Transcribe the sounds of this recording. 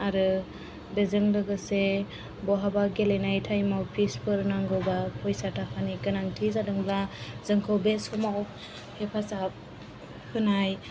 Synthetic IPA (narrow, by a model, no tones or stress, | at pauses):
aɾɯ | bezɯŋlɯɡɯse | bɔɦabaɡelenajtʰajmawpʰispʰɯɾnaŋɡɯwbapʰɔjsatʰakʰaniɡɯnaŋtʰizadɯŋblazɯŋkʰɯwbesɔmaw | hepʰasap̚ | hɯnaj